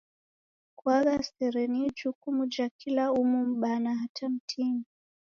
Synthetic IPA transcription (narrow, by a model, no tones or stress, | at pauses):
kwaɣasɛɾɛnid͡ʒukumud͡ʒakʰilaumum̩ɓanaɦatʰam̩tʰimi